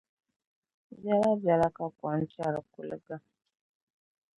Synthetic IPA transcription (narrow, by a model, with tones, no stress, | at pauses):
bja˦la˦bja˨ɾa˦ka˦kwa˨n̩˦t͡ʃa˦˨ɾa˨ku˨lə̰˦ɡa˦